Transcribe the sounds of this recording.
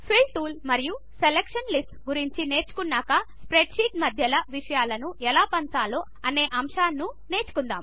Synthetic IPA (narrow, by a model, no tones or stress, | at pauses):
pʰilʈuːlmɐɾiju | selekʂɐnlisʈɡuɾiɲt͡ʃine̞ːɾt͡ʃu̥kunːaːkɐspɾeɖʂiːʈ̚mɐd̪ʱjɐlɐʋiʂɐjaːlɐnuʔɛlaːpɐnsaːloːʔɐne̞ːʔɐmʂaːnːune̞ːɾt͡ʃu̥kund̪a̰ːm